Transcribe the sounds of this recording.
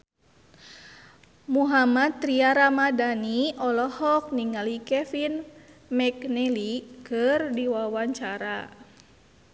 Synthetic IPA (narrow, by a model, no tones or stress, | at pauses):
muɦamat̪ːɾiaɾamadaniɔlɔhɔk̚niŋalikɛfinmɛknɛlikɨrdiwawaɲt͡ʃaɾa